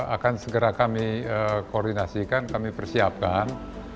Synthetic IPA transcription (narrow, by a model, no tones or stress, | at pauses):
a̰kansəɡəɾakamiəkoɔrdinasikankamipərsiap̚kan